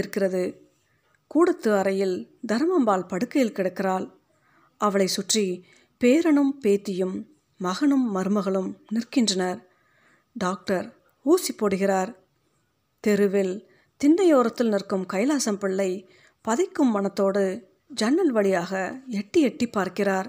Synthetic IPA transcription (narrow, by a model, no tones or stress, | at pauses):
ɪɾɯkːɪrɐðɯ | kuːɽɐt̪ːɯɐɾɐjɪl | d̪ɐɾmɐmbaːlpɐɽɯkːɐjɪlkɪɽɐkːɪraːl | ʔɐʋɐɭɐɪsʊʈri | peːɾɐɳɯmpeːt̪ːɪjɯmː | ɐɣɐɳɯmːɐɾɯmɐɣɐɭɯmnɪrkɪndrɐnɐɾ | ɖaːk̚ʈɐɾ | uːsipːoːɽɯɣɪraːɾ | t̪ɛɾɯʋɪl | t̪ɪnːɐjoːɾɐt̪ːɪlnɪrkɯmkɐjɐlaːsɐmpɪɭːɐɪ | pɐðɪkːɯmːɐnɐt̪ːoːɽɯ | d͡ʒɐnːɐlʋɐɭɪjaːɣɐɛʈːiɛʈːipːaːɾkɪraːɾ